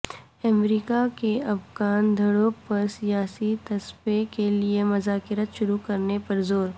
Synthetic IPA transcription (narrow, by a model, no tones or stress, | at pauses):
ɐmɾiːkakeɐfɣaːnd̪ʱɐɽõpɐɾsijaːsit̪ɐspekeliemɐzaːkɪɾət̪ʃʊɾukɐɾnepɐɾzoːɾ